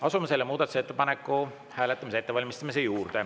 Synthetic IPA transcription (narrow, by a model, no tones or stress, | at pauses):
ɑsumese̞lːemuːd̪̥ɑt̪u̥set̪ːepɑnekːˑu | hæːlet̪ːˑɑmisee̞t̪ːe̞vɑlʲmist̪ɑmis̬ejuːrd̪̥e̞